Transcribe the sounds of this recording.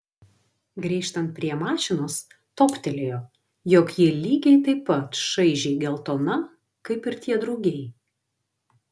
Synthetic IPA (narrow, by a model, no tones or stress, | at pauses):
ɡɾʲiːʃt̪ɐnt̪̚pʲɾʲiɛmɑːʃʲɪnoːs | t̪oːpʲt̪ʲɛlʲejoː | jɔkjɪlʲiːɡʲɛɪt̪ɐɪpːɐt̪ʃɐɪʒʲɛɪɡʲɛlˠt̪oːnɐ | kɐɪpɪɾt̪ʲiɛd̪ɾɒʊɡʲɛɪ